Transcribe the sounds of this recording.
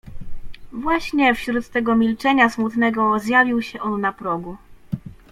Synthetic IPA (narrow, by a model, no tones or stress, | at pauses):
vwaɕɲɛfɕɾut̪ːɛɡɔmʲilt͡ʂɛɲasmut̪nɛɡɔzjavʲiwɕɛʔɔnːapɾɔɡu